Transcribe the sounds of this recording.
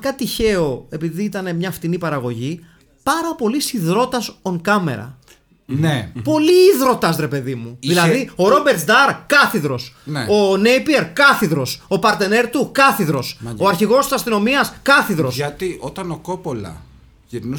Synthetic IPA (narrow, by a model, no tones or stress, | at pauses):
kɐt̪içe̞o̞e̞piðiit̪ɐne̞mɲɐft̪inipɐɾɐɣo̞ʝi | pɐɾɐpo̞lisiðɾo̞t̪ɐso̞ŋkɐme̞̰ɾɐ̰ | nepo̞liːðɾo̞t̪ɐsɾe̞pe̞ðimuðilɐðio̞ɾo̞be̞ɾt̪sd̪ɐɾkɐθiðɾo̞sno̞ne̞jpieɾkɐθiðɾo̞so̞pɐɾt̪e̞ne̞ɾt̪ukɐθiðɾo̞so̞ɐɾçiɣo̞st̪i̥sɐst̪ino̞miɐskɐθiðɾo̞sɐt̪iʔot̪ɐnokopolɐ̰ | ʝiɾnu